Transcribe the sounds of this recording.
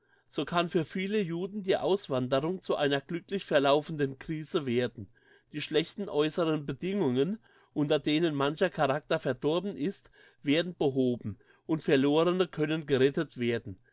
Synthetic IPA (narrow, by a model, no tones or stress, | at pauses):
z̥oːkʰanfyːɐfiːləjuːdn̩diːʔa̰ʊsv̥andəʁʊŋt͡suʔa̰ɪnɐɡ̥lʏklɪçfɛɐlaʊfn̩dənkʁ̥iːz̥əveːɐdn̩ | d̥iːʃlɛçtn̩ʔɔʏsəʁənbədɪŋʊŋən | ʔʊntɐdeːnənmançɐkʰaʁak̚tɐfɛɐdɔɐbn̩ʔɪst | v̥eːɐdn̩bəɦoːbm̩ | ʔʊntfɛɐloːʁənəkʰœnənɡəʁɛtətv̥eːɐdn̩